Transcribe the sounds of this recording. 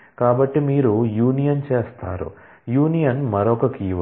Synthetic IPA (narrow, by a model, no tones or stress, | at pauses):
kaːbɐʈːimiːɾujuːnijɐnt͡ʃeːst̪a̰ːɾṵ | juːnijɐnmɐɾɔkɐkiːʋ